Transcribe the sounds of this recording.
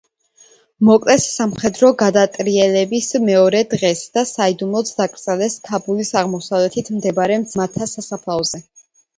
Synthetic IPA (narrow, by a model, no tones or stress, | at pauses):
mɔkʼlɛsːamχɛd̪ɾɔɡad̪at̪ʼɾiɛlɛbismɛɔɾɛd̪ʁɛsd̪̥asaid̪umlɔt̪sd̪akʼɾt̪sʼɛlɛsk̪ʰabulisaʁmɔsavlɛt̪ʰit̪ʰmd̪ɛbaɾɛmmat̪ʰːasasapʰlˠavzɛ